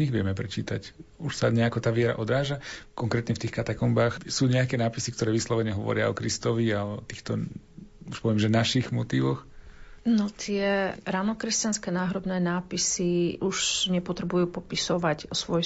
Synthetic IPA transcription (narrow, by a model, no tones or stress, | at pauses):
ɲiɣʋɪɛmɛpɾɛt͡ʃḭːt̪acuʃsaɲɛakɔt̪aːʋɪɛɾa̰ʔɔd̪ɾaːʒakɔŋkɾɛːt̪ɲɛft̪iːxkat̪akɔmbaːxsuːɲɛakɛnaːpisikt̪ɔɾɛːʋislɔʋɛɲɛɦɔʋɔ̰ɾɪaɔkɾist̪ɔʋiat̪iːxt̪ɔ | uʃpɔʋɛmʒɛnaʃiɣmɔt̪iːʋɔxnɔt̪ʰɪɛɾaːnɔkɾɛscanskɛnaːɦɾɔbnɛːnaːpisiʔuʃɲɛpɔt̪ɾɛbujuːpɔpisɔʋacsʋɔj